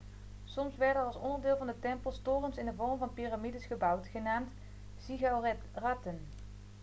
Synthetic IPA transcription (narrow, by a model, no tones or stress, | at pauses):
sɔmsʋɛɹtəɹɑlˠsɔndəɹdɪːlˠvɑndətɛmpəlˠstoːrəmsɪndəvɔɹmvɑnpiramidəsχəbʌwtχənaːmt | siɣaw | ratən